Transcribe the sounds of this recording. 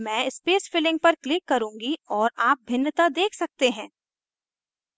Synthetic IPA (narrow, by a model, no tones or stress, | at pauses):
mɛ̃ːɪspeːsfɪlɪ̃ŋɡ̚pɐɾklɪkːɐɾũːŋɡiɔːɾaːp̚bʱɪnːət̪ad̪eːkʰsɐk̚t̪eɦɛ̃ː